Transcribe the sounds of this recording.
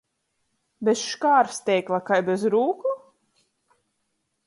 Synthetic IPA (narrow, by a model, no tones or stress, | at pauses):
bɛsʃkaːɾst̪ʲɛjklˠakajbɛzɾuːku